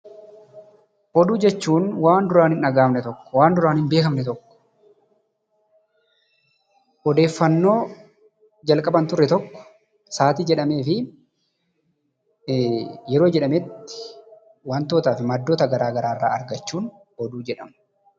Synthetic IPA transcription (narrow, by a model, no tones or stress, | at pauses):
ʔɔd̪uːd͡ʒɛt͡ʃːuːnwaːnd̪ʊɾaːnɪnɐɡaːmnɛt̪ɔkːɔ̥waːnd̪ʊɾaːnɪnbe̞ːkɐmnɛt̪ɔkːɔ̥ | ʔɔd̪e̞ːfːɐnːo̞ː | d͡ʒɐlkʼɐbɐnt̪ʊrːɛt̪ɔkːɔ̥ | saːt̪id͡ʒɛᶑɐme̞ːfɪ | jɛɾo̞ːd͡ʒɛᶑɐmɛt̪ːɪ̥ | want̪o̞ːt̪aːfɪmɐd̪ːo̞ːt̪ɐɡɐɾaːɡɐɾaːrːa̰ːɐɾɡɐt͡ʃːuːn | ɔd̪uːd͡ʒɛᶑɐmɐ̥